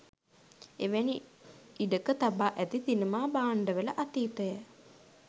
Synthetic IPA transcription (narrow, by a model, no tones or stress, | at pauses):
eʋeniiɖəkət̪abaːʔæt̪it̪inəmaːbaːɳɖəʋələʔat̪iːt̪əjə